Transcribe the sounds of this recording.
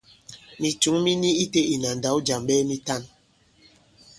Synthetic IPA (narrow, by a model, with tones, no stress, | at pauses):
mi˨t͡ʃu˨˦ŋmi˦ni˦i˦te˦ʔi˨na˨n̩˨da˨˦wd͡ʒa˨mɓɛː˦mi˦ta˦˨n